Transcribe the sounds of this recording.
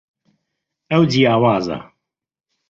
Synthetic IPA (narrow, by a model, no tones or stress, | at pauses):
əwdijaːwaːza̰